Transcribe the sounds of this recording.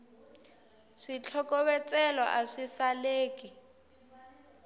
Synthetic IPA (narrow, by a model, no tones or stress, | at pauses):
ʂit͡ɬʰɔkɔβɛt͡sʼɛlɔʔaʂisaleːkʼi